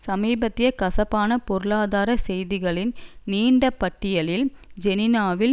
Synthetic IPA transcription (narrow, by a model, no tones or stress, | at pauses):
sɐmiːbɐt̪ːɪjɐkɐsɐpːaːnɐpɔɾɯɭaːðaːɾɐsɛjðɪɣɐɭɪnniːɳɖɐpːɐʈːɪjɐɭɪld͡ʒɛnɪnaːʋɪl